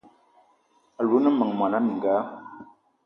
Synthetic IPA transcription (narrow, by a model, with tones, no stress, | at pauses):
a˨lu˨˦nə˦mə˨ŋ˨mwa˨na˦mi˨ŋ˨ɡaː˨˦